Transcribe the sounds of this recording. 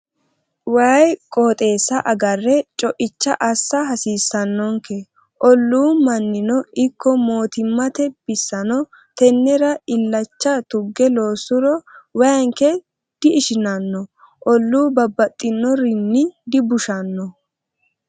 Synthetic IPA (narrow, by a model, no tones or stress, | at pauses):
wɐːjkʼoːt̪ʼe̞ːsːɐʔɐɡɐrːɛt͡ʃʼɔʔɪt͡ʃːɐʔɐsːɐɦɐsiːsːɐnːɔŋkɛ | ʔɔlːuːmɐnːɪnɔʔɪkːɔmo̞ːt̪ɪmːɐt̪ɛb̥ɪsːɐnɔ | t̪ɛnːɛɾɐɪlːɐt͡ʃːɐt̪ʊɡːɛlo̞ːsʊɾɔwɐŋkɛ | d̪̥ɪɪʃɪnɐnːɔ | ʔɔlːuːbɐbːɐt̪ʼːɪnːɔɾɪnːɪd̪ɪbʊʃɐnːɔ